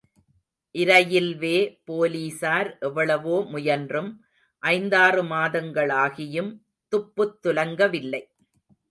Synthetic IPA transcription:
ʔɪɾɐjɪlʋeːpoːliːsaːɾʔɛʋːɐɭɐʋoːmʊjɐndrɯm | ʔɐɪnd̪aːrɯmaːðɐŋɡɐɭaːɣɪjɯm | t̪ʊpːɯt̪ːʊlɐŋɡɐʋɪlːɐɪ

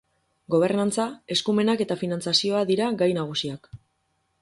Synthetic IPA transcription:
ɡo̞β̞e̞ɾnant͡sae̞skume̞nake̞t̪afinant͡sasio̞aðiɾaɡajnaɣ̞usiak

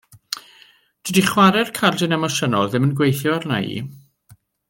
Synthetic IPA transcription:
d̥idiχwaɾɛrkʰalˠdɪnɛmɔsənɔlˠðɪmənɡwejθjɔarna̰jḭ

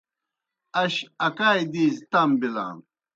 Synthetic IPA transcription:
ɐɕɐkaːjd̪iːzt̪ambila̰ːn

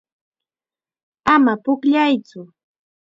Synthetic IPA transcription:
amapʊkʎajt͡sʊ

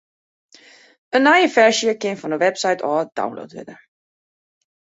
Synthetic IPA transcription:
ənːajəfɛɹʃjəkɪnfɔndəʋɛpsajtʰɔːd̥a̰wnlo̰ːtʋɪ̰dəɹ

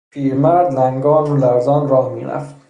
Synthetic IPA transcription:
pʰiːɾmæɾd̪læŋɡɒːmolæɾzɒːnɾɒːhmḭːɾæ̰ft̪

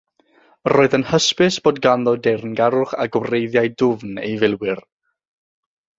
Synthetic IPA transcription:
roːɨðənhəspɨsb̥oːdɡanðɔdɛrnɡaɾʊχa̰ɡwrejðjajdʊvnḛjvɪlˠwɪr

